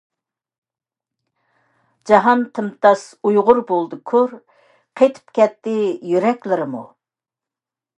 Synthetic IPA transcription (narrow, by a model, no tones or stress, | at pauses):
d͡ʒɑɦɑnt̪ʰɨmt̪ʰɑsujʁʊɾbolˠd̪ɨkʰʊɾ | qʰejt̪ʰɨ̥pkʲɛt̪ːɪjyɾɛkʲlɪɾɪmṵ